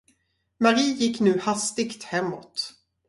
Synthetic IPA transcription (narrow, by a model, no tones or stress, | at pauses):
maɾiːjɪkːnʉ̟ːhast̪ɪɡt̪hɛmːɔt̪